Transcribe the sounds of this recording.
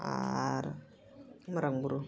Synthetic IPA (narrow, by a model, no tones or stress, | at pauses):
a̰ɾa̰ | maɾaŋbuɾu